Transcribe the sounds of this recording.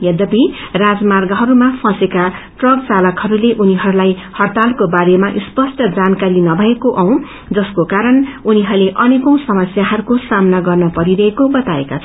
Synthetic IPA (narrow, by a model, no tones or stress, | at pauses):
jʌd̪ʌbirad͡zmarɡʌɦʌɾumapʰʌseka | ʈrʌk̚t͡salʌkhʌɾuleʔuniɦʌɾulajhʌrt̪alkobaɾemaʔispʌsʈʌd͡zankaɾinʌbʱʌekoʔaw̃ | d͡zʌskokaɾʌnuniɦʌrleʔʌnekʌ̃w̃sʌmʌsjaɦʌɾukosamnaɡʌrnʌpʌɾiɾʌekobʌt̪aekat͡sʰʌ